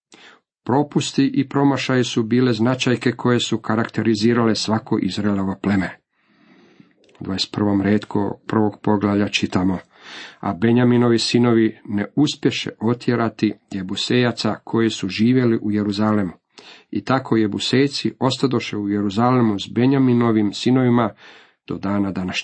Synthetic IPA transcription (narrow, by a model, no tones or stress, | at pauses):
pɾo̞pust̪iʔipɾo̞maʃajisubiːle̞znat͡ʃajke̞kʰo̞je̞sukaɾakt̪e̞ɾiziːɾale̞sʋako̞ʔizɾaeloʋoplemeɾ | d̪ʋaest̪pr̩ʋo̞mɾeːt̪kʰo̰pr̩ʋo̞ɡpo̞ɡlaʋʎat͡ʃit̪amo | a̰be̞ɲamino̞ʋisino̞ʋineuspje̞ʃe̞̰ʔo̞t̪ʰje̞ɾat̪ijebuse̞jat̪sakʰo̞jesuʒiːʋje̞liʔuje̞ɾuzalemu | it̪akʰo̞je̞buse̞jt̪sio̞st̪ad̪o̞ʃe̞uje̞ɾuzalemuzbeɲamino̞ʋimsino̞ʋima | d̪̥o̞d̪aːnad̪anaʃɲe